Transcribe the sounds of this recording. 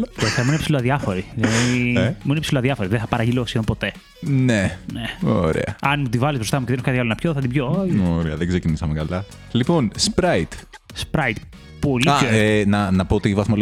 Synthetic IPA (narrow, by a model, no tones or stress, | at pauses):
t̪oθemuinepsiloɐðiɐfo̞ɾilɐðimuinepsiloɐðɐfoɾiðeθɐpɐɾɐʝilosiompo̞t̪e̞ | neneoɾḛɐ̰ɐnmut̪ivɐlizbɾo̞st̪ɐmuceðenoskɐt̪iɐlonɐpçoθɐt̪ibjooɾeɐðeɡze̞cinisɐmekɐlɐ | lipo̞nspɾɐit̪ | spɾɐit̪ | po̞lioenɐnɐpoot̪ivɐθmol